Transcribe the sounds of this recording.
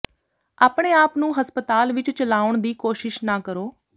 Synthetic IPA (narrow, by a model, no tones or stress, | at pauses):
aːpɽeːaːpnũːɦəspət̪aːlʋɪt͡ʃt͡ʃəlaːʊɳd̪iːkoːʃɪʃnaːkəɾoː